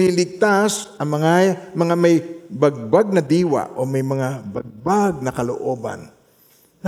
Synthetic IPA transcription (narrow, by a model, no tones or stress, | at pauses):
ilɪɡ̚t̪asʔɐŋmɐŋamɐŋamɐjbɐɡ̚baɡ̚nɐd̪iːwa̰ʔomɐjmɐŋabɐɡ̚baɡ̚nɐkɐlo̰ʔo̞ːba̰n